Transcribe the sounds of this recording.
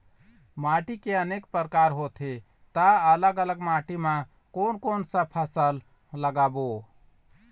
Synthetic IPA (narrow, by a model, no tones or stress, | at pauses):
maʈikeənekpəɾkaɾɦot̪ʰe | t̪aələɡələɡmaʈimã | konkonsə̃pʰəsəlː | əɡabo